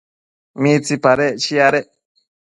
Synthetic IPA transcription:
mit͡sipaɾɛt͡ʃiaɾɛ

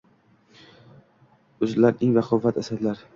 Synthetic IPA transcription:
ɵzlaɾɪŋvaqʰɒvat̪asad̪laɾ

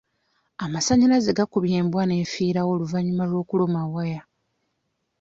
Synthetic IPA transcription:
amasaɲiɾazeɡakuβjeːmbwane̞ːfiːɾawo̞luvaɲːumalwo̞ːkulomawaja

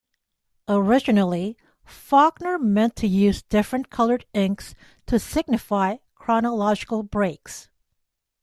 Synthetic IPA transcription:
əɹɪd͡ʒɨnl̩ˠi | fɑɡnə˞mɛ̃ntʰɨjʉzdɪfɹɨ̃nkʰʌlˠə˞ɾɪ̃ŋks | tʰɨsɪɡ̚nɨfaɪ | kʰɹ̥ɑnəlɑd͡ʒɨkl̩ˠbɹeɪks

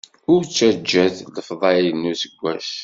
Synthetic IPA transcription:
ʊɾt͡sːæd͡ʒːæθləfðˤɑjənːusəɡʷːæʃ

